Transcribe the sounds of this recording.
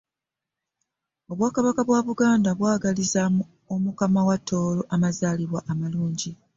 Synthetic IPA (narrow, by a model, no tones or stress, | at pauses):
o̞βwaːkaβakaβwaβuɡaːndaβwaːɡalizamu | omukamawatʰːo̞ːlo̞ʔamazaːliβwaʔːmaluːɲɟi